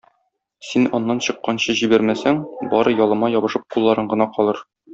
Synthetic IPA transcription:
sinɒnːɑnɕɤ̆qːɑnɕɤʑibæɾmæsæŋbɒɾɤjɒlˠɤ̆mɑjɒbɤ̆ʃɤp̚qulˠːɑɾɤɴɢɤ̆nɑqɒlˠɤɾ

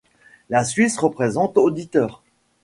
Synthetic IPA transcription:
lasɥisʁəpχezɑ̃t̪od̪it̪œːʁ

